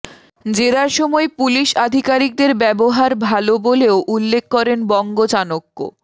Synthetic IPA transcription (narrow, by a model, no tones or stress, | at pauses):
d͡ʑeɾaɾʃɔmɔepuliʃad̪ʱikaɾik̚d̪eɾbɛboɦaɾbʱaloboleoʔulːek̚ʰːɔɾenbɔŋɡod͡ʑanokːo̰